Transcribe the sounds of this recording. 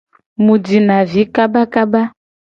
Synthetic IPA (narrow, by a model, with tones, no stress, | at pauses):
mu˨di˨na˨vi˨˦ka˦ba˦ka˦ba˦